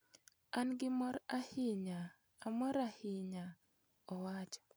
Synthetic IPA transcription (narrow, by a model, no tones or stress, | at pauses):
anɡɪmɔɾahɪɲaː | mɔɾahɪɲa | ɔwat͡ʃɔ̥